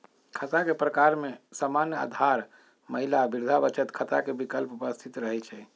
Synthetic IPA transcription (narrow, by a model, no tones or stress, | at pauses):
kʰət̪akepɾəkaɾmesamanjəa̰d̪ʱaɾ | məɦilabiɾd̪ʱabət͡ʃət̪kʰət̪akebikəlpupəst̪ʰit̪ɾəɦɛt͡ʃʰɛ